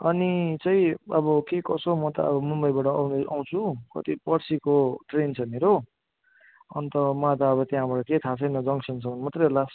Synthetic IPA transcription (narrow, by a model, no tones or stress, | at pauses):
ʌnit͡sʌ̃ĩʌbʌkekʌsomʌt̪ʌ̰ʌ̰bʌmumbʌjbaʈʌna̰w̃t͡sʰukʌ̰t̪ipʌɽsikoʈrent͡sʰʌmeɾo | ʌ̰nt̪ʌmãt̪ʌːβʌt̪jãbaʈʌket̪ʰat͡sʰʌjnʌd͡zʌŋsʌnsʰʌmʌnmat̪relas